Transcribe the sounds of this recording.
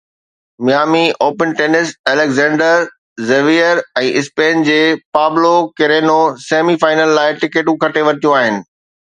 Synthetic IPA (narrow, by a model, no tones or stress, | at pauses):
mɪjaːmiʔoːpənʈeːnɪsɛːlekzɛ̃ːɳɖəɾ | zeʋiːəɾɛ̃ːʔɪspeːnd͡ʑeːpaːblokɪɾeːnoseːmifaːɪnəlːaːɪʈɪkeːʈũkʰɐʈeʋɐɾt̪ijũaːɦɪnɪ̆